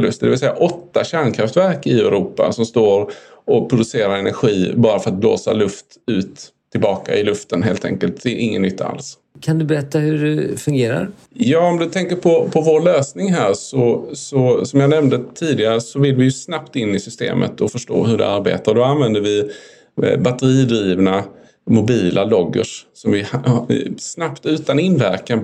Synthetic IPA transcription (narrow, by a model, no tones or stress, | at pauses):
lɵst̪əd̪ɛvɪlsɛjːa̰ʔɔt̪ːaɕæɳkʰɾaft̪væɾkɪɛɾuːpa̰sɔmst̪oːɾɔpʰɾʊd̪ɵseːɾaɾɛnæɾɧiːbɑːɾafœɾat̪̚blo̰ːsa̰lɵft̪ | ʉ̟ːt̪ʰː | ɪlbɑːka̰ʔɪlɵft̪ənɦeːlt̪ʰɛ̰ŋkəlt̪̚d̪̥ɛɾʔɪŋːə̰nːʏt̪ʰːaa̰ls | kʰand̪ɵbɛɾɛt̪ːahɵɖɛfɵŋɡeːɾa̰ɾ | jɑːɔmd̪ɵt̪ʰɛŋkəɾpʰɔpʰɔvoːɾɭøːsnɪŋɦæːɾsɔsɔsɔmjaːnɛmnd̪ət̪ʰiːd̪ɪɡaɾəsɔvɪlvɪjɵsnapt̪ɪnːɪsʏst̪ḛːmʔə̰t̪ʰɔfœʂʈo̰ːɦɵɖɛ̰aɾbḛːt̪aɖɔanvɛnd̪əɾvɪ | bat̪əɾiːd̪ɾiːvna | mʊbiːlʔalɔɡːə̰ʂsɔmvɪ | snapt̪ʉ̟ːt̪anɪnːvæɾkan